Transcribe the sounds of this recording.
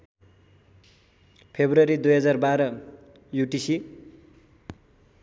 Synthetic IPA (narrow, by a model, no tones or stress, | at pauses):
pʰebrʌɾid̪ujɦʌd͡zarbaɾʌ | juʈisi